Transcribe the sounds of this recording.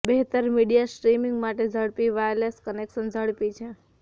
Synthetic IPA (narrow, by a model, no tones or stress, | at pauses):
beɦt̪əɾmiɽijasɾimiŋɡmaʈed͡ʒʱəɽpiʋajləskənekʃənd͡ʒʱəɽpit͡ʃʰe